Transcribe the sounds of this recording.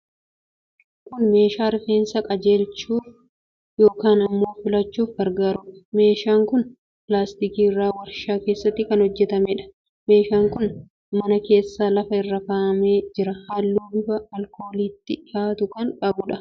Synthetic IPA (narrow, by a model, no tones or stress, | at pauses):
kʊnme̞ːʃaːɾɪfe̞ːnsɐkʼɐd͡ʒe̞ːlt͡ʃːuːf | jo̞ːkaːnɐmːo̞ːfɪlɐt͡ʃːuːfɡɐɾɡaːɾʊɐ̥me̞ːʃaːŋkʊn | plaːst̪ikiːɪrːaːwɐɾʃaːke̞ːsːɐt̪ːɪkɐnhɔd͡ʒːɛt̪ɐmɛᶑɐ̥ | me̞ːʃaːŋkʊn | mɐnɐke̞ːsːaːlɐfɐɪrːɐkɐːʔɐme̞ːd͡ʒɪɾɐhaːlːuːbɪfɐːlkʰo̞ːliːt̪ːɪɪhaːt̪ʊkɐŋkʼɐbʊᶑɐ